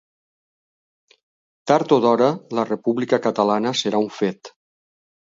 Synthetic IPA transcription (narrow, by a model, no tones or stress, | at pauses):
t̪aɾt̪oðɔɾələrəpuβlikəkət̪əlanəsəɾauɱfet̪